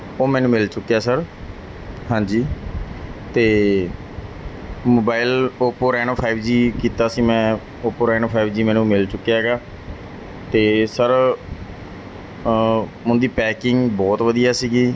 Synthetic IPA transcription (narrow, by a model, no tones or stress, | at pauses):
oːmɛ̃ːnũːmɪlt͡ʃʊkːjaːsəɾ | ɦãːɲd͡ʒiː | t̪eː | moːbaːɪloːpoːɾɛːnoːpʰaːibd͡ʒiːkiːt̪aːsiːmɛ̃ː | oːpoːɾɛːnoːpʰaːibd͡ʒiːmɛ̃ːnũːmɪlt͡ʃʊkːjaːɦɛɡaː | t̪eːsəɾ | mʊ̃nd̪iːpɛːkɪŋɡbɔːt̪ʋəd̪ijaːsiːɡiː